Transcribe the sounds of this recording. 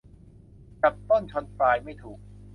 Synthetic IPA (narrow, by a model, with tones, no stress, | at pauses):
t͡ɕa˨˩p̚t̪ɔ˥˩ŋt͡ɕʰɔ˧˥nfɾaː˧jma˥˩jt̪ʰuː˨˩k̚